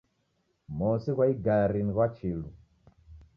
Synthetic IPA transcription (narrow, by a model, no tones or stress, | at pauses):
mɔsiɣwaiɡaɾiniɣwat͡ʃʰilu